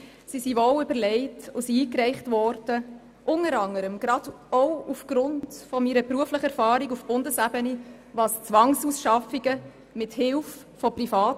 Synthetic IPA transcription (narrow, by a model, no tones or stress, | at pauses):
sisivoʊʏbəɾlɛɪtʊsiiːkrɛɪχtvɔɾd̥ə | ʔʊnəɾɑŋəɾəmɡɾɑd̥ | ɔwufɡ̥ɾʊndfɔmiɾəpɾuəfləχəɛɾfɑːɾiɡufb̥ʊndəsæbəni | vɑːst͡svɑŋsusʃɑfiɡə | mɪthɪlf | fɔpɾifɑːt